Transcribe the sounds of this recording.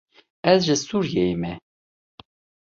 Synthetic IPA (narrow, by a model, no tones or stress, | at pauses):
ɛzʒɨsuɾjeimɛ